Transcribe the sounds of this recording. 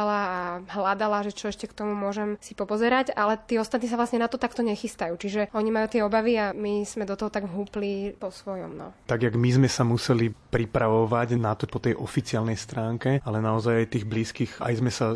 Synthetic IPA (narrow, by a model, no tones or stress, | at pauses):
alaːɦlad̪alaʒɛt͡ʃɔɛʃcɛkt̪ɔmumʊɔʒɛmsipɔpɔzɛɾaɟalɛt̪iːɔst̪at̪niːs̬aʋlasɲɛnat̪ɔt̪akt̪ɔɲɛxist̪ajuːt͡ʃiʒɛɔɲimajuːt̪ɪɛɔbaʋiamiz̥mɛd̪ɔt̪ɔɦɔt̪aɡɦuːplipɔsʋɔjɔ̰mnɔ̰t̪aɡjaɡmizmɛsamusɛlipɾipɾaʋɔʋaɟnat̪ɔpɔt̪ɛjʔɔfit͡siaːlnɛjst̪ɾaːŋkɛalɛnaɔzajajt̪iːɣbliːskiːɣa̰jzmɛsa